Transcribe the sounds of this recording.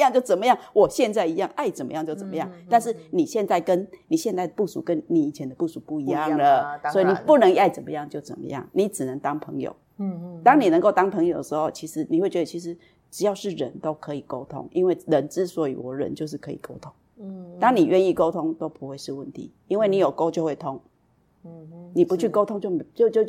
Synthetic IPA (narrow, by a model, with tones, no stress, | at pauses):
jŋt͡ɕjo˥˩ʊt͡sə˨˩mə˦jɑ˥˩ŋwɔ˨˩ɕjɛ˥˧nt͡sa˥˩ɪi˧˥jɑ˥˨˩ŋʔa˥˩ɪt͡sə˨˩nmə̰˧˦jɑ˥˧ŋt͡ɕjo˥˩ʊt͡sə˨˩mə˦jɑ˥˨ŋt̪a˥˧nʂ̬ɻ̩˥˩ni˨˩ɕjɛ˥˧nt͡sa˥˩ɪkə˦nni˨˩ɕjɛ˥˧nt͡sa˥˩ɪə˨˩pu˥˩ʂṵ˨˦kə˦nni˨˩i˨˩t͡ɕʰɛ˨˦nd̪ə˧pu˥˩ʂu˨˩pu˥˩i˧˦jɑ˥˧˨ŋə˨swɔ˧˥i˨ni˨˩pu˥˩nə˧˥ŋa˥˩ɪt͡sə˨˩mə˧˦jɑ˥˨˩ŋt͡ɕjo˥˩ʊt͡sə̰˨˩nmə̰˦jɑ̰˥˩ŋni˨˦ʈ͡ʂɻ̩˨˩nə˧˦ŋt̪ɑ˦ŋpʰə̰˧˦ŋjo̰˨˩˦ʊ | t̪ɑ˦ŋni˨˩nə˧˦ŋko˥˩ʊt̪ɑ˥ŋpʰə˧˥ŋjo˨˩ʊd̪ə˨˩ʂɻ̩˧˦xo˥˨˩ʊt͡ɕʰi˧˥ʂɻ̩˧˦ni˨˩we˥ɪt͡ɕɥɛ˧d̪ə˨t͡ɕʰi˧˥ʂɻ̩˧˦ | ʈ͡ʂɻ̩˨˩jɑ˥˧ʊʂɻ̩˥˩ɻə̰˧˦nt̪o˦˥ʊkʰɤ˧˦i˨˩ko˦ʊt̪ʰo̰˥ŋi˦nwe˥˩ɪɻə˧˦˥nʈ͡ʂɻ̩˥˦swɔ˨˦˥y̰˧˨wɔ˨˩ɻə̰˧˦nt͡ɕjo˥˧ʊʂ̬̩˥˩kʰɤ̰˧˥ḭ˨˩kʰo˥ʊt̪ʰʊ˥ŋ | t̪ɑ˥ŋni˨˩ɥʔɛ˥˧ni˥˩ko˥ʊt̪ʰʊ˦ŋt̪o˥ʊpu˧˦xwe˥˧ɪʂɻ̩˥˧wə˥˩nt̪ʰḭ˨˩˦ | i˥nwe˥˩ni˨˥jo˨˩ʊko˥ʊt͡ɕjo˥˧ʊxwe˥˩ɪt̪ʰo˦˥ŋ | ni˨˩pu˨˦t͡ɕʰy˥˩ko˥ʊt̪ʰo˥ŋt͡ɕjo˥˩ʊm˨t͡ɕo˥˧ʊt͡ɕjo˥˧ʊ